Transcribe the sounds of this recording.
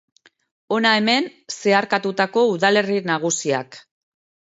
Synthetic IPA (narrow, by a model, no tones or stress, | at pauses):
o̞nae̞me̞nse̞aɾkat̪ut̪ako̞uðale̞rinaɣ̞usia̰k